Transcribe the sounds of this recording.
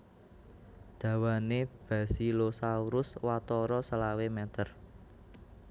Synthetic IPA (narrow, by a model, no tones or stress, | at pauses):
d̪̥ä̤waneb̥a̤silosauɾʊswat̪ɔɾɔsəlawemɛt̪ər